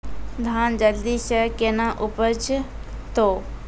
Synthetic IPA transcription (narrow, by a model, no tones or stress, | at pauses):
d̪ʱaːnd͡ʒəld̪isəkenãʔupət͡ʃ | t̪oː